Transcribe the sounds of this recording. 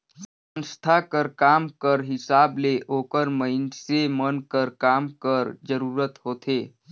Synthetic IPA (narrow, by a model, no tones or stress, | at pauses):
s | ə̃nst̪ʰakəɾkaːmkəɾɦɪsaːbleʔoːkəɾməɪnsemənkəɾkaːmkəɾd͡ʒəɾuːɾət̪ɦoːt̪ʰeː